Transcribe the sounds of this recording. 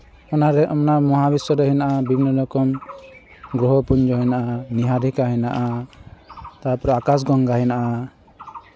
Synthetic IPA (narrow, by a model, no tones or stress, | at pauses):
ɔnaɾɛʔɔmnamɔɦabisɔɾɛɦinaʔabibinɔlɔkɔm | ɡɾɔɦɔpuɲd͡ʒɔɦinaʔaniɦaɾikaɦɛnaʔa | t̪apɔɾɛakas̬ɡɔŋɡaɦɛnaʔa